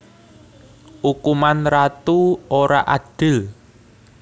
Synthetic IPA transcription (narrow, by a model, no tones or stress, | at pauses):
ʔukumanrat̪uoɾa̰ʔaɖ̥ɪ̤l